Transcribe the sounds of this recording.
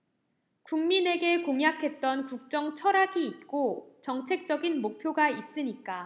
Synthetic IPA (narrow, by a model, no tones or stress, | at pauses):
kuŋmine̞ɡe̞koŋjakʰe̞t̚t͈ʌnkuk̚t͡ɕ͈ʌŋt͡ɕʰʌɾaɡiːt̚k͈ot͡ɕʌŋt͡ɕʰe̞k̚t͡ɕ͈ʌɡinmok̚pʰjoɡais͈ɯɲik͈a